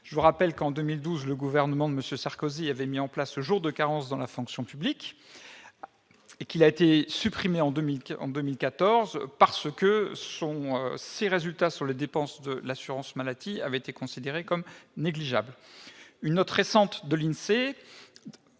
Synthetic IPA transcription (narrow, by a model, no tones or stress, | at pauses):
ʒ̥əvuʁapɛlkɑ̃d̪ømild̪uzləɡuvɛʁnəmɑ̃d̪əməsjøsaʁkoziavɛmiɑ̃plasləʒuʁd̪əkaʁɑ̃sd̪ɑ̃lafɔ̃ksjɔ̃pyblik | ekilaet̪esypχimeɑ̃d̪ømilɑ̰̃d̪ømilkat̪ɔʁzpaʁsəkəsɔ̃øseʁezylt̪asyʁled̪epɑ̃sd̪əlasyʁɑ̃smalad̪ia̰vɛet̪ekɔ̃sid̪eʁekɔmneɡliʒablynːɔt̪χesɑ̃t̪d̪əlinse